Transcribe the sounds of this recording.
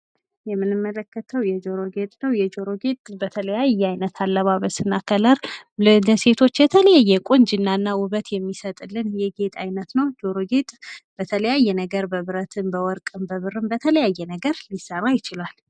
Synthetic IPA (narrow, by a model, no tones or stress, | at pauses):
jɛmːɨnɨmːələkːət̪ʰəwjɛd͡ʒo̞ɾo̞ɡe̞t̪ʼnəwjɛd͡ʒo̞ɾo̞ɡe̞t̪ʼbət̪ʰələjajːɛajnət̪ʰalːəβaβəsɨnːakʰələɾləse̞t̪ʰo̞t͡ʃːjɛt̪ʰələjajːɛkʷʼund͡ʒɪnːanːaʊβət̪jɛmːisət̪ʼɨlːɨnjɛɡe̞t̪ʼajnət̪nəwd͡ʒo̞ɾoɡe̞t̪ʼb̥ət̪ʰələjajːɛnəɡəɾbəβɨɾət̪ʰɨmbəwɔɾkʼɨmbəβɨrɨmbət̪ʰələjajːɛnəɡəɾlisərːajɪt͡ʃɪlal